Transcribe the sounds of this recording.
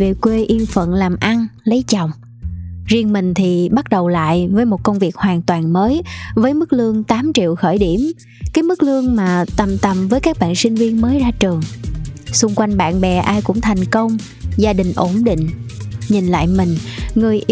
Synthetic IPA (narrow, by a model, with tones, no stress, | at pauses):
ve˨˩kwe˧ʔi˧əmfə̰˧˨nlaː˨˩mʔa˧nlə˨˦jt͡ɕɔ̰˨˧˨wŋ͡m | zi˧ənmï˨˩ŋ̟t̪ʰi˨˩ɓa˦˥t̚ɗə˨˩wla̰ː˧˨jvəː˨˦jmo˨˩t̚kə˧wŋ͡mvi˨˩ək̚hwaː˨˩ŋt̪waː˨˩nməː˨˦jvəː˨˦jmɨ˦˥k̚lɨ˧əŋt̪aː˨˦mt͡ɕḭ˧˨əwxəː˧˩jɗi˧˩əm | kaː˨˦jmɨ˦˥k̚lɨ˧əŋmaː˨˩t̪ə˨˩mt̪ə˨˩mvəː˨˦jkaː˦˥k̚ɓa̰ː˧˨nsï˧ŋ̟vi˧ənməː˨˦jzaː˧t͡ɕɨ˨˩əŋsʊ˧ŋ͡mkwa˧jŋɓa̰ː˧˨nɓɛ˨˩ʔaː˧jkʊ̰˧˥ŋ͡mt̪ʰa˨˩jŋ̟kə˧wŋ͡m | zaː˧ɗï˨˩ŋ̟ʔo˧˩nɗḭ̈˧˨ŋ̟ɲi˨˩nla̰ː˧˨jmï˨˩ŋ̟ŋɨ˨˩əjʔ